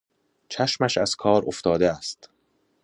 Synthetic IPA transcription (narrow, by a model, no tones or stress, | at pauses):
t͡ʃʰæʃmæʃæz̥kʰɒːɾoft̪ɒːd̪eæst̪